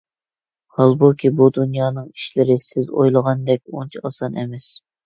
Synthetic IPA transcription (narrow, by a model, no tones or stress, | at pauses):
hɑlˠbokʲʰibud̪unjɑːnɨŋiʃlɪɾɪsɪzo̰jlˠəʁɑnd̪ɛk̚ʲont͡ʃʰiɑsɑnɛ̰mɛs